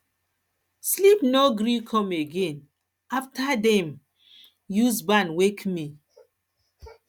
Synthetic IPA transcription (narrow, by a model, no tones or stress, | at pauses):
slipnoɡɾikʰɔ̃meɡẽn | aftadɛ̃m | juzbanwekmi